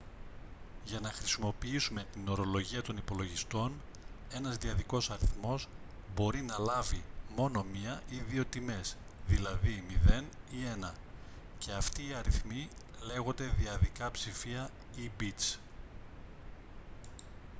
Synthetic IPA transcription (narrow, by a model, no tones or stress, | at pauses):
ʝɐnɐxɾisimo̞piisume̞t̪ino̞ɾo̞lo̞ʝiɐt̪o̞nipo̞lo̞ʝist̪o̞n | e̞nɐzðiɐðiko̞sɐɾiθmo̞s | bo̞ɾinɐlɐvimo̞no̞miɐʔiðio̞t̪ime̞s | ðilɐðimiðe̞n | ie̞nɐ | ce̞ɐft̪iːɐɾiθmi | le̞ɣo̞nd̪e̞ðiɐðikɐpsifiɐ | ibit̪s